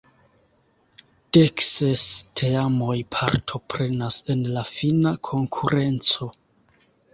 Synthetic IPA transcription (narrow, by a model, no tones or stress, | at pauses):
d̥eksestʰeamo̞jpʰa̰ɾtʰo̞pɾe̞nase̞nlafinakʰo̞ŋkʰuɾʔe̞nt͡so̞